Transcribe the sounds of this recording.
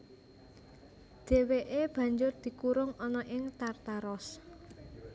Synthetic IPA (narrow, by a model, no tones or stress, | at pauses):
d̪̥e̤weʔeb̥ä̤ɲd͡ʒʊrd̪̥i̤kuɾʊŋɔnɔʔɪŋt̪art̪aɾɔs